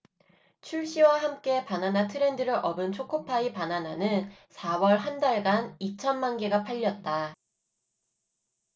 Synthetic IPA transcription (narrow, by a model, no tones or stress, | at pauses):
t͡ɕʰuɭɕ͈iwaɦamk͈e̞pananatʰɯɾe̞ndɯɾɯɾʔʌbɯnt͡ɕʰokʰopʰaipanananɯnsʰawʌɭɦandaɭɡanit͡ɕʰʌnmanɡeɡapʰaʎːʌt̚t͈a